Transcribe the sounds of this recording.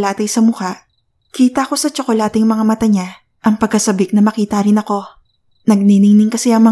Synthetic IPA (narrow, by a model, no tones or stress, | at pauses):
laːt̪ɐjsɐmʊhaʔ | kiːt̪ɐko̞sɐt͡ʃokolaːt̪ɛŋmɐŋamɐt̪aɲa | ʔɐŋpɐɡ̚kɐsɐbɪk̚nɐmɐkiːt̪ɐɾɪnɐko̞ | nɐɡ̚ninɪŋnɪŋkɐsɪʔɐŋmɐ